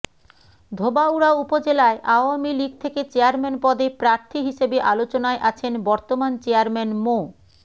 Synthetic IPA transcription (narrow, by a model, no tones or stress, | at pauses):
d̪ʱobauɽaupod͡ʑelaeʔaoamiliɡ̚t̪ʰeket͡ɕeaɾmenpɔd̪epɾaɾt̪ʰiɦiʃebeʔalot͡ɕonaeʔat͡ɕʰenbɔɾt̪omant͡ɕeaɾmenmo